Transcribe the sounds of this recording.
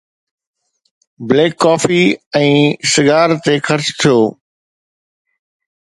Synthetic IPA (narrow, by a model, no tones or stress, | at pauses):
bleːkːaːfiɛ̃ːsɪɡaːɾt̪exɐɾt͡ɕt̪ʰijoː